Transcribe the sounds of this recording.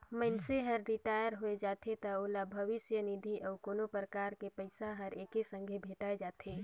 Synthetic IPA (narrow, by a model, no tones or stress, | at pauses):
məɪnseɦəɾːɪʈaːjəɾɦoed͡ʒaːt̪ʰet̪ɐoːlabʱəʋɪsjənid̪ʱiʔɔːʊkoːnopɾəkaːɾkepəɪsaɦəɾeːkesə̃ŋɡʱebʱeːʈaed͡ʒaːt̪ʰeː